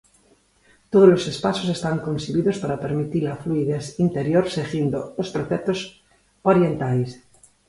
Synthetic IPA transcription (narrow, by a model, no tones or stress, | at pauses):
t̪oð̞ozlosespasosest̪aŋkonseɣiðospaɾapeɾmit̪ilafluiðesint̪eɾjoɾseɣind̪oosp̪ɾoθep̚t̪os | oɾjent̪ajs